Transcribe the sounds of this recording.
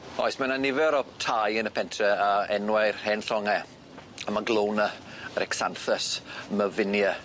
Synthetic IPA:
ɔ̰jsmananɪvɛɾɔtʰajənəpʰɛntʰrɛaɛnwɛjrhɛnɬɔŋɛ | amaɡlˠownəəɾɛksanθəsməvɪnjə

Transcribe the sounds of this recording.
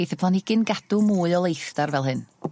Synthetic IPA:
jθəpʰlˠanɪɡ̥ɪnɡad̥umuːɨɔlˠejθdarvɛlˠɦɨn

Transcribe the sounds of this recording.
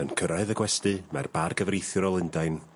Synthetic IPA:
ənkʰəɾaɨðəɡwɛstɨmarbarɡəvrejθjʊɾɔlˠɪndajn

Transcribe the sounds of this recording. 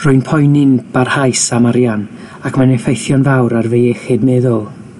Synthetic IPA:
r̥ʊɨnpʰɔjnɪnb̥arhajsamaɾjan | akʰmanɛfejθjɔnvawɾarvejɛχɪdmɛːðʊlˠ

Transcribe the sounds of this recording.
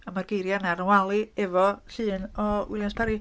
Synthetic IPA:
amarɡ̥ejɾjanaɾwalˠiɛvɔɬɨːnɔwɪljanspʰaɾi

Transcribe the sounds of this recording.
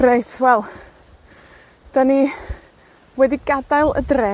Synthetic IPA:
rejtʰwɛlˠ | d̥ani | wɛdiɡadajlˠə̰drɛ

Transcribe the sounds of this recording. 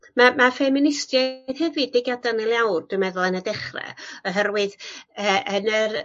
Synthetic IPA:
mamafɛmɪnɪstjað̥hɛvɨdɪɡadanelˠjawrd̥wɨmɛðʊlˠanədɛχrɛ̰ɔɦɛrwɨðəənər

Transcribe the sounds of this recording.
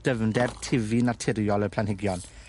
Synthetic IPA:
d̥əvndɛrtʰɪvinatʰɪɾjɔləpʰl̥anɦhɪɡjɔn

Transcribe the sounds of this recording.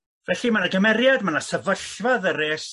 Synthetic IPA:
vɛɬimanaɡəmɛɾjadmanasɛvəɬvaðəreːs

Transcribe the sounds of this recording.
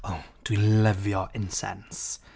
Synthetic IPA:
oʊd̥wilʌvjəɹʔɪ̃nsɛ̰̃ns

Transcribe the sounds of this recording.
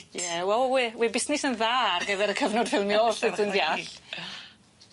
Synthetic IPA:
jɛwɛlˠwiwibɪsnɪsənðaarɡəvɛɾəkʰəvnɔdvɪwniɔsɪdənðjaɬ

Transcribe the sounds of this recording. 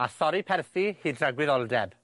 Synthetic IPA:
asɔɾipʰɛrθihiːdraɡwɪðɔlˠdɛb

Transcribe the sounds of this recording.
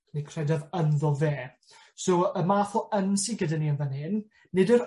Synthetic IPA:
nikʰr̥ɛdaðənðɔveː | soəmaːθɔənsiɡədaniənvənɪn | nɪdəɾ

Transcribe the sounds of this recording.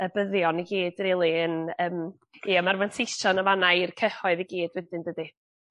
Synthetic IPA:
əbəðjɔniɡiːd̥relˠiənəːm | jamarvansʰɪstɔnəvanairkʰəhɔɨðiɡiːd̥wɛdɪndədɨ

